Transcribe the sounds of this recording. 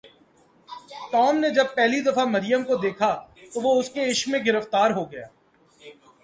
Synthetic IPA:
ʈɔːmned͡ʒɐb̚pɛɦlid̪ɐfamɐɾɪjəmkod̪eːkʰat̪oʋoʊskeɪʃmẽɡɪɾəft̪aːɾɦoɡɐjaː

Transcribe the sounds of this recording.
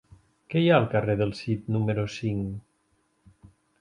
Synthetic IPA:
kɛjaəlˠkəreðəlˠsit̪numəɾosiŋ

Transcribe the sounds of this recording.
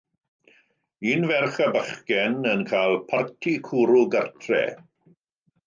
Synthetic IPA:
iːnvɛrχəbəχkɛnənkʰaːlˠpʰartʰikʰuːɾuɡərtʰrɛ̰

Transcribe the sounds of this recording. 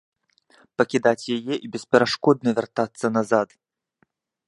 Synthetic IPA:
pɐkʲid̪at͡sʲjajɛʔibʲɛspʲɛɾaʂkɔd̪̚nɐvʲɛrt̪at̪sːɐnazat̪

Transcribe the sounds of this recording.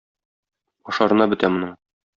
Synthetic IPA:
ɒ̆ʃɑɾɤ̆nɑbɘ̆t̪æmŏnɤɴ

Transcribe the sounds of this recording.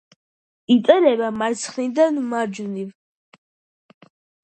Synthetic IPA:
it̪sʼɛɾɛbamaɾt̪sʰχnid̪anmad͡ʒuniv

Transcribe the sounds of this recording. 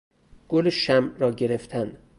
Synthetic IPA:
ɡ̥oleʃæmɾɒːɟe̞ɾeft̪ʰæn

